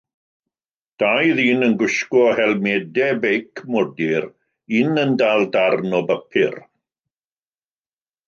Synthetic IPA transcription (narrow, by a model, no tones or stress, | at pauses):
d̥ajðiːnənɡʊʃkɔhɛlˠmɛdɛbejkʰmɔdɪɾ | ɪnəndaːlˠdarnɔbəpʰɪr